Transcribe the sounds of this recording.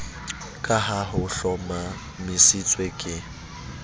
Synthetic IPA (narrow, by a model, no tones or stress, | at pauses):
kʼaɦaɦʊɬɔma | mɪsit͡sʼwekʼɪ